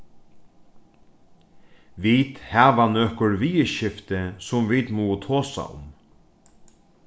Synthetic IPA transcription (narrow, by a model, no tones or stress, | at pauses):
ʋit̪haːvanœkʊɹviːəʃɪft̪ɪsʊmvit̪muːət̪ʰoːsa̰ʊ̰m